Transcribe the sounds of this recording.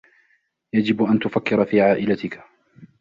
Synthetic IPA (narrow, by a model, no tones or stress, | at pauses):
jad͡ʒɪbʔant̪ʊfakːɪɾɑfiːʕaːʔɪlat̪ɪkḁ